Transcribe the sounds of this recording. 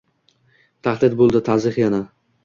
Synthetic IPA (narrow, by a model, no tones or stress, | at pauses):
t̪ʰaχd̪ɪd̪̚bolˠd̪ɪt̪ʰazɪχjana